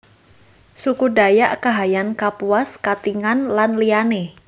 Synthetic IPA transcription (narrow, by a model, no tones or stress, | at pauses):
sukuda̤jaʔkaɦajankapuaskat̪iŋanlanliane